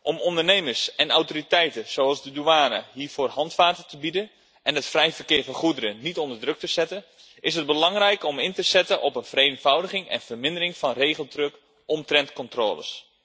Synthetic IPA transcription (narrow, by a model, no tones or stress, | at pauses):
ʔɔmɔndərnejmərsɛnawtoritɛjtəsoɑlˠzdəduaːnə̰ɦiːɹv̥oːrhɑntfaːtətəbidən | ʔɛnətfrɛjvərkɪːvənχudəɾənitɔndərdrɵk̚təzɛtən | ʔɪsɦəd̚bəlɑŋrɛjkɔmɪntəzɛtənʔɔpənvərenvɑwdəχɪŋɛ̰nvərmɪndərɪŋfɑnreːχəlˠtrøk | ɔmtrɛntkɔntro̰ːlə̰s